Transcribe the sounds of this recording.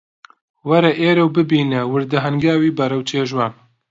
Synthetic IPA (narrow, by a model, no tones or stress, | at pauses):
wɐɾɐʔeːɾɐwbɨbiːnɛwɨɾd̪ɐɦɐŋɡaːwiːbɐɾɐwt͡ʃʰeːʒwaːn